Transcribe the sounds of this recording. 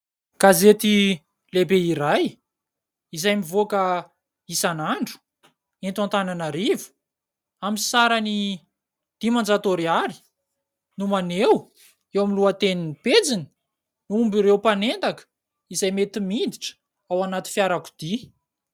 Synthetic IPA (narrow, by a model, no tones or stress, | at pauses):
ɡ̥azet̪i | lebeiɾaj | izajmivokə | isanaɳɖ͡ʐu̥ | ent̪ant̪ananaɾivu̥ | aminsaɾani | d̪̥imand͡zat̪oɾiaɾi̥ | numanew | ewamiluat̪eninped͡zini̥ | nuumbiɾewpanent̪akə̥ | izajmet̪imind̪iʈ͡ʂə̥ | awanat̪i̥fjaɾaku̥d̪̥i